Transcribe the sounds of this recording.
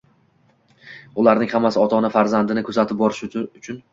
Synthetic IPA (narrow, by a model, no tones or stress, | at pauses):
ʊlaɾnɪŋhamːasɪɒt̪ʰɒnɪfaɾzand̪ɪnɪkʰɵzat̪ʰɪp̚bɒɾɪʃʊʊt͡ʃʰʊn